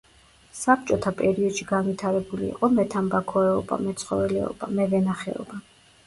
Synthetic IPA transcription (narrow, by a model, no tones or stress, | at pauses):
sap̚t͡ʃʼɔt̪ʰapʼɛɾiɔd̪ʃiɡanvit̪ʰaɾɛbulḭːqʼɔmɛt̪ʰambakʰɔɛɔba̰mɛt̪sʰχɔvɛlɛɔ̰b̥a̰mɛvɛnaχɛ̰ɔ̰ba